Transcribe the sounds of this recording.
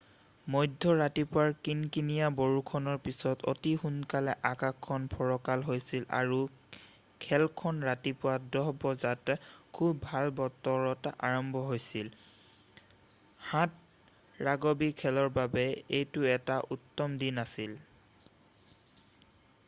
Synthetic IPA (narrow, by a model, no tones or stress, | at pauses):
mɔjdʱːɔɹatipʊwaɹkinkinijaboɹukʰɔnɔɹpisɔto̰tixunkalɛʔakakʰːɔnpʰɔɹɔkalɦojsila̰ɹu | kʰɛlkʰɔnɹatipʊwadɔɦbɔzatkʰubːʱalbɔtːɔɹɔta̰ɹɔmbʱɔɦojsil | hãt̚ | ɹaɡɔbikʰːɛlɔɹbabɛejtʊɛtaʔutːɔmdinasil